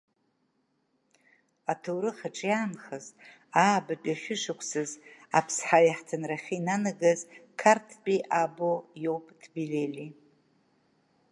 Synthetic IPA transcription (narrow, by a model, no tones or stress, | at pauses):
atʰowɾɨχaʈ͡ʂʼjaːnχəz | aːbat͡pʼaʃʲʷᶣʊʃʷɨkʷʰsɨza̰pʰsħajaħtʰɨnraχʲiinanɨɡɨzkʰartʰpʲʼiʔabojo̞wpʼdʰbileli